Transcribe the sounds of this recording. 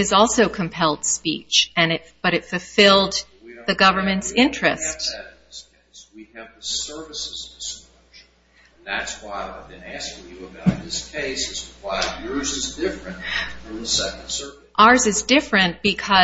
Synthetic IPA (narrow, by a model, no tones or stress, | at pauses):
ɨzɔlˠsoʊkʰɨ̃mpʰɛlˠd̥spḭt͡ʃɨ̃nɨtb̥ʌɾɨtfɨlˠfɪlˠd̪ | ðɨɡʌvə˞mɨ̃ntsɪ̃nt͡ʃɹ̥ɨst | ɪskʰeɪswiɨvðəsɜ˞vɨsɨzdɨs | ʒn̩ | ðætswaɪaɪvbɨ̃næskɪ̃ŋjɨəbaʊt̪̚ðɪskʰeɪsɨz̥waɪjʊɹzɨzdɪfɹɨ̃ntfɹʌ̃mðəsɛknd̥sɜ˞ | ʔɑɹzɨzdɪfɹɨ̃nb̥ɨkʰʌ